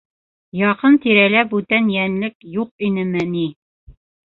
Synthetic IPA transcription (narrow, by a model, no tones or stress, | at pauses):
jɑqɤnt̪iɾælæbʉt̪ænjænlɘkjuq̚inɘmɘni